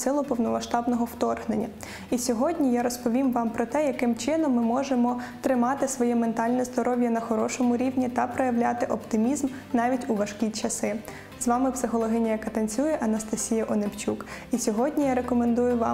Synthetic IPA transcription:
sɪlˠʊpɔwnɔmɐʃt̪ɑbnɔɦɔwt̪ɔrɦnenʲːɐ | isʲɔɦɔdʲnʲijaɾɔspɔʋʲimʋɑmpɾɔt̪ɛjɐkɪmt͡ʃɪnɔmːɪmɔʒemɔt̪ɾɪmɑt̪ɪsʋɔjɛment̪ɑlʲnɛzd̪ɔɾɔʋʲjɐnɐxɔɾɔʃɔmʊɾʲiwnʲit̪ɐpɾɔjɐʋlʲat̪ɪʔɔpt̪ɪmʲizm | nɑʋʲitʲuʋɐʃkʲit͡ʃɐsɪ | zʋɑmɪpsɪxɔlˠɔɦɪnʲɐjɐkɐt̪ɐnʲt͡sʲujɛʔɐnɐst̪ɐsʲijɐʔɔnept͡ʃʲuk | isʲɔɦɔdʲnʲijaɾekɔmend̪ujʊʋɑ

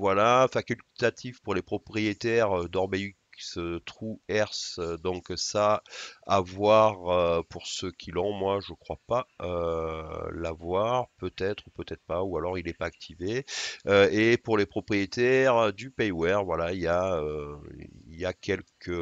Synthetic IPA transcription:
vwalãfãkʲylt̪at̪ʰivpuʁlepχɔpχijet̪ɛʁød̪ɔʁbɛykst̪χuɛʁsd̪ɔ̃ksaavwaʁøpuʁsəkʲʰilɔ̃mwaʒəkχwapaø | lavwaʁpøt̪ɛt̪χupøt̪ɛt̪χəpaualɔʁilɛpaːk̚t̪ʰiveøepuʁlepχɔpχijet̪ɛʁd̪ypɛjwɛʁvwalailjaø | ḭljakʲɛlkʰə

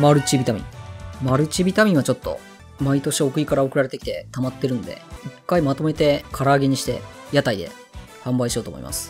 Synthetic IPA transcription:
maɾɯ̟t͡ɕibʲit̪amʲḭ̃ŋmaɾɯ̟t͡ɕibʲit̪amʲĩɰ̃at͡ɕo̞t̪ːo̞̰ | mait̪o̞ɕio̞kɯ̟ikaɾao̞kɯ̟ɾaɾe̞t̪e̞kʲi̥t̪e̞t̪amat̪ːe̞ɾɯ̟no̞d̪e̞̰ikːaimat̪o̞me̞t̪e̞kʰaɾaːɡe̞ɲ̟iɕi̥t̪e̞̰ | jat̪aid̪e̞̰ | hãmbaiɕijo̞ːt̪omoḭmʔa̰sɨ̥

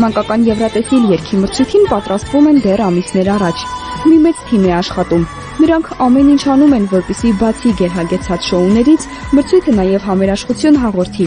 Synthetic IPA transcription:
mɑŋkɑkɑnjɛvɾɑt̪ɛsiljɛɾkʰiməɾt͡sʰujt̪ʰinpɑt̪ɾɑst̪vumɛnd̪ɛrɑmisnɛɾɑrɑt͡ʃʰmimɛt͡st̪ʰimɛɑʃχɑt̪um | nəɾɑŋkʰɑmɛnint͡ʃʰɑnumɛnvɔɾpɛsibɑt͡sʰiɡɛɾɦɑɡɛt͡sʰɑt͡sʃɔunɛɾit͡sʰ | məɾt͡sʰujt̪ʰənɑjɛvɦɑmɛɾɑʃχut͡sʰjunɦɑʁɔɾt̪ʰi

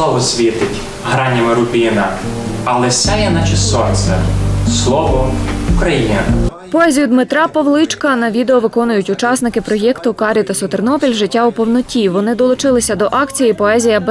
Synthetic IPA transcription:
ɔʋɔsʲʋʲit̪ɪtʲ | ɦɾɑnʲimɪɾʊpʲinɐɐlˠɛsʲɛjɛnɐt͡ʃɪssɔnt̪sɛslˠɔʋɔukɾɐjinʲɐ | pɔɛzʲijʊd̪mɪt̪ɾɑpɔʋlˠɪt͡ʃkɐnɐʋʲid̪eɔʋɪkɔnʊjʊtʲʊt͡ʃɑsnɪkɪpɾɔjɛkt̪ʊkɑɾʲit̪ɐsɔt̪ernɔpʲilʲʒɪtʲːaʊpɔwnɔtʲiʋɔnɪd̪ɔlˠʊt͡ʃɪlˠɪsʲɐd̪ɔʔɑkt͡sʲijipɔɛzʲijɐb

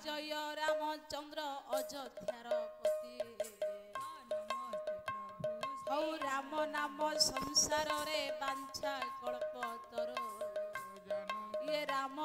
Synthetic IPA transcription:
d͡ʒɔjɔɾamɔt͡ʃɔnd̪ɾɔːd͡ʒɔd̪ʱjaɾɔkɔt̪ie | ɔwɾamɔnamɔsɔŋsaɾɔɾebant͡ʃʰakɔɭpɔt̪ɔɾu | ieɾamɔ

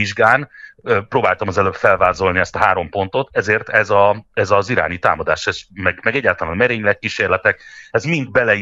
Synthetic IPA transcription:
iʒɡaːnøproːbaːlt̪ɒmɒzɛløːbfɛlvaːzo̞lniɛst̪ɒɦaːɾo̞mpo̞n̪t̪o̞t̪ɛzeːrt̪ɛzɒɛzɒziɾa̰ːnit̪a̰ːmɒd̪a̰ːʃɛʃmɛɡmɛɡɛɟːaːlt̪ɒlaːnmɛɾeːɲlɛkːiʃeːrlɛt̪ɛkɛzmind̪̚bɛlɛ

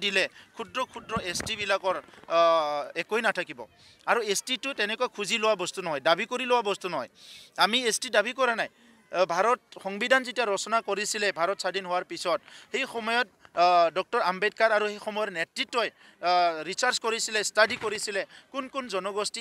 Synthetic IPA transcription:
dilɛkʰudɹɔkʰudɹɔʔestibilakɔɹ | ɛkojnatʰakibɔ | aɹuestitʊtɛnɛkʊakʰuzilowabɔstunɔɦɔjdabʱikoɹilʊwabɔstunɔɦɔ̰jamiestidabʱikɔɹanaj | bʱaɹɔtxɔŋbidʱanzetijaɹɔsɔnakoɹisilɛbʱaɹɔtsadinɦʊwaɹpisɔt̚hejxɔmɔjɔt̚dɔk̚tɔɹambedkaɹaɹuhejxɔmɔjɔtnetɹitːɔj | ɹisaɹskoɹisilɛstadikoɹisilɛkʊnkunzɔnɔɡɔsti

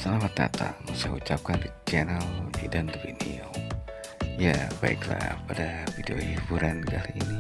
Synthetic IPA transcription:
salamat̪a̰t̪a̰musahut͡ʃap̚kandit͡ʃɛnəlḭdand̪əbḭnio | jabaḭkla̰padavideoibuɾankaliini

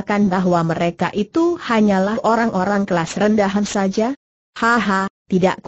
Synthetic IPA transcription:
kanbaɦwaməɾekaʔit̪uhaɲalaʔoɾaŋʔoɾaŋkəlasrəndaɦansad͡ʒa | haɦat̪ida̰ʔk

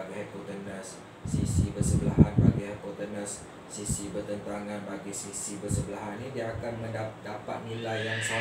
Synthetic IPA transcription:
ɡiɦɛkot̪ənəsː | isibərsəbəlaɦanbaɡihɛkot̪ənəsː | isibərt̪ənt̪aŋãnbaɡisisibərsəbəlaɦanidiaːkanmə̃ndadapat̪̚nĩlajaŋsa

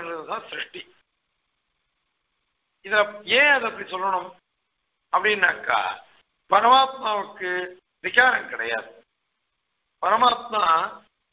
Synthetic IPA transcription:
nrɐðɯt̪ãːsɾɪʂʈi | ɪðɐẽːɐðɐɐpːɐɽisɔlːɐɳʊm | ɐpːɐɽinːaːkːa̰ː | pɐɾɐmaːt̪̚maːʋɯkːɯ | ʋɪkaːɾɐŋkɪɽɐ̰ja̰ːðɯ | pɐɾɐmaːt̪̚maː

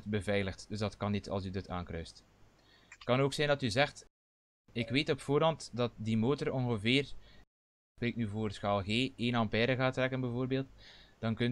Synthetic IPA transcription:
tbəvɛjləxtd̥ɵzdɑtkɑnːitʰɑ̰lˠsydətʰa̰ːŋkrœɥst | tkɑnoːksɛjndɑtyzɛxt | ɪkʋeːtɔpfoːɾɑntdɑt̚dimoːtərɔnɣəveːr | spɾeːknyvoːrsxaːlˠɣeːeːnɑmpɛːɾəɣaːtrɛkənbɛvoːrbeːlˠtd̥ɑnkɵn

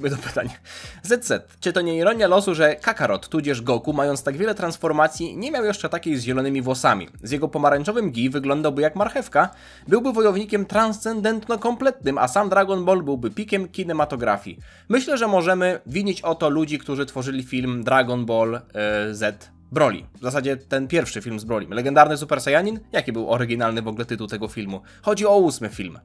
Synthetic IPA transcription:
ɘt̪ɔpɘ̥t̪aɲazɛt̪zɛt̪t͡ʂɘt̪ɔɲɛiɾɔɲːalɔsuʐɛkakaɾɔt̪ːud͡ʑɛʐɡɔkumajɔnt̪st̪aɡvʲjɛlɛt̪ɾansfɔɾmat̪sʲjiɲɛmʲjawjɛʂt͡ʂɛt̪akʲejzʑɛlɔnɘmʲivwɔsamʲḭzjɛɡɔpɔmaɾanʲt͡ʂɔvɘmɡʲivɘɡlɔnd̪awbɘjakmaɾxɛfka | bɘwbɘvɔjɔvɲikʲɛmt̪ɾanst̪sɛnd̪ɛnt̪nɔkɔmplɛt̪nɘma̰samd̪ɾaɡɔnbɔlbɘwbɘpʲikʲɛmkʲinɛmat̪ɔɡɾa̰fʲjḭ | mɘɕlɛʐɛmɔʐɛmɘvʲiɲet͡ɕɔt̪ɔlud͡ʑikt̪uʐɘt̪fɔʐɘlʲifʲilmd̪ɾaɡɔnbɔlzɛt̪ | bɾɔlʲḭvzas̬ad͡ʑɛt̪ɛnpʲjɛɾfʂɘfʲilmzbɾɔlʲḭmlɛɡɛnd̪aɾnɘs̬upɛɾsajaɲinjakʲibɘwɔɾɘɡʲinalnɘvɔɡlɛt̪ɘt̪uwt̪ɛɡɔfʲilmu | xɔd͡ʑiɔusmɘfʲilm

